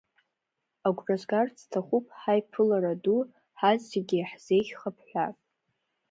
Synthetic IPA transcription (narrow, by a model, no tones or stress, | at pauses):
aɡʷrazɡart͡sʰtʰaχʷupʼħajpʰɨlaɾadu | ħazːeɡʲiħz̥e̞jɡʲχapʰħʷᶣatʼ